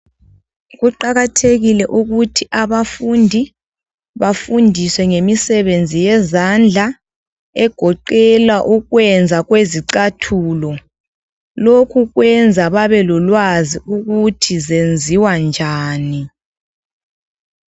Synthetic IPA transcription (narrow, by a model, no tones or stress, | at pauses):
ɣuǃaɣatʰeɣilɛʔuɣutʰiʔaβafundʱi | βafundʱiswɛŋemisɛβend͡zʱijɛzand͡ɮʱa | ɛɡ̥ʱɔǃɛlwaʔuɣwɛnd͡zʱaɣweziǀatʰuːlɔ | lokʰuɣwɛnd͡zʱaβaβɛlulwaziuɣutʰizend͡zʱiwand͡ʒʱaːni